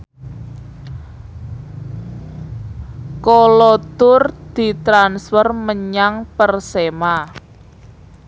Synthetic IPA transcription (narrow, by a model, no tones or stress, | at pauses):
kɔlɔt̪ʊrd̪̥i̤t̪ɾansfɔrməɲaŋpərsema